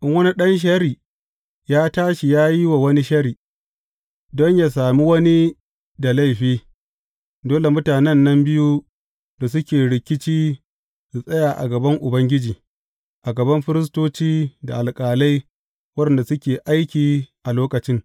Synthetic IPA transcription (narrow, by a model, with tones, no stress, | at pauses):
ʔɪ˦ŋwɐ˦ni˦ɗɐ˦nʃ̬ɐ˦ɾiː˨ | jaː˦taː˦ʃi˨jaː˦ji˦wa˨wɐ˦ni˦ʃɐ˦ɾiː˨ | dɔ˦ɲjaː˨saː˨mi˦wɐ˦ni˦ | da˨la˦jɸiː˦ | doː˦le˨mʊ˦taː˨nɛ˦nːɐ˦mbɪ˦ju˦ | da˨s̬ʊ˦kʲeː˨ɽɪ˨kʲɪ˦t͡ʃiː˦ | su˨sʼɐ˦jaː˨ʔa̰˨ɡɐ˨bɐ˦ŋʔʊ˨bɐ˦ŋɡʲɪ˦d͡ʒiː˨ | ʔa˨ɡɐ˨bɐ˦mɸɪ˦ɾɪ˦s̬toː˦t͡ʃiː˦da˨ʔa˨lkʼaː˨la˦j | wɐ˦ɗnda˨sʊ˦kʲeː˨ʔa˦jkʲiː˨ʔa˨loː˦kɐ˨t͡ʃɪ˦ŋ